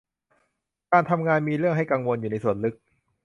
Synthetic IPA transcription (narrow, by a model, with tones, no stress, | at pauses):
kaː˧nt̪ʰa˧mŋaː˧nmiː˧ɾɯ˥˩əŋɦa˥˩jka˧ŋwo˧njuː˨˩na˧jsu˨˩ənlɯ˦˥k̚